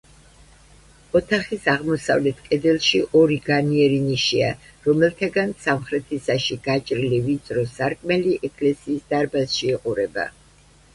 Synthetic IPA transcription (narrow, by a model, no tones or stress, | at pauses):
ɔt̪ʰaχisaʁmɔsa̰vlɛt̪ʰkʼɛd̪ɛlˠʃiʔɔɾiɡaniɛɾiniʃia̰ɾɔmɛlˠt̪ʰaɡansamχɾɛt̪ʰisaʃiɡ̥at͡ʃʼɾilivit̪sʼɾɔsaɾkʼmɛliʔɛkʼlɛsiːsd̪aɾbasʃiɛqʼuɾɛba̰